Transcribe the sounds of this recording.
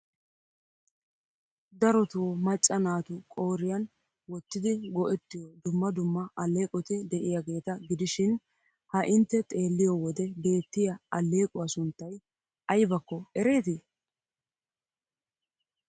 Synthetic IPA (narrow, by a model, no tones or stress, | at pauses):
d̪ɐɾɔt̪ʊwɔmɐt͡ʃʼːɐnaːt̪ʊkʼo̞ːɾɪjɐn | wɔt̪ːɪd̪ɪɡɔʔɛt̪ːɪjɔd̪ʊmːɐd̪ʊmːɐʔɐlːe̞ːkʼɔt̪ɪd̪ɛʔɪjaɡe̞ːt̪ɐɡɪd̪ɪʃɪn | hɐʔɪnt̪ːɛt̪ʼe̞ːlːɪjɔwɔd̪ɛbe̞ːt̪ːɪjɐɐlːe̞ːkʼʊwɐsʊnt̪ːɐj | ʔɐjbɐkːɔɛɾe̞ːt̪ɪ